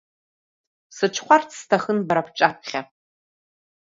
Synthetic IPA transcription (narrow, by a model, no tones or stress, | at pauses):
sɨʈ͡ʂʰχʷart͡sʰstʰaxənbaɾapʰʈ͡ʂʼap̚ʰχʲa